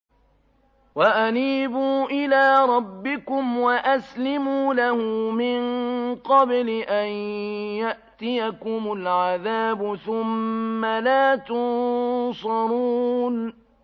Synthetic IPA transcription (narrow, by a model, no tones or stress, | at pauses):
waʔaniːbuːʔɪlaːɾˤɑbːɪkʊmwaʔaslɪmuːlahʊmɪnqɑblɪʔanjaʔt̪ɪjakʊmʊlʕaðaːbʊθʊmːalaːt̪ʊnsɑɾuːn